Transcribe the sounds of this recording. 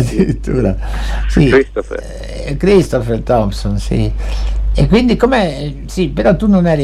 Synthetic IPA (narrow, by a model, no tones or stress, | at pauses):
d̪iɾit̪ʰːṵːɾasiɾist̪of | kɾist̪ɔfɛɾt̪ɔmsonsḭ | ḛkːwind̪ikome | sipeɾɔt̪ːunːonɛɾi